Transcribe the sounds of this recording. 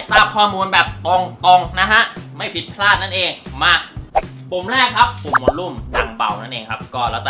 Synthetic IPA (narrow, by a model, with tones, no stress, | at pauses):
t̪aː˥˩mkʰɔː˥˩muː˧nbɛː˨˩p̚t̪o˧ŋt̪o˧ŋna˦˥ɦa˦˥ʔma˥˩jpʰi˦˥t̪̚pʰlaː˥˩t̪̚na˥˩nʔeː˧ŋmaː˧ | po˨˩˦mlɛː˥˩kʰa˦˥pːo˨˩m˦moː˧nlu˥˩mna̰˨˩ŋba̰˨˩wna˥˩nʔeː˧ŋkʰa˦˥p̚kɔː˥˩ɾɛ˧wt͡ɕa˨˩